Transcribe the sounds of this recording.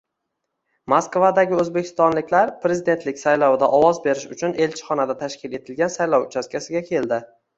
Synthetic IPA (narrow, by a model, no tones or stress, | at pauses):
moskvad̪aɡʲɪɵzbe̞kʲʰɪ̥st̪ɒnlɪkʲlaɾpɾe̞zɪd̪e̞nt̪lɪkʲsajlɒwd̪aʔɒwɒzbe̞ɾɪʃʊt͡ʃʰʊne̞lt͡ʃʰɪ̥χɒnad̪at̪ʰaʃkʲɪle̞t̪ʰɪlɡʲansajlɒwʊt͡ʃʰaskʲasɪɡʲakʲʰe̞ld̪ɪ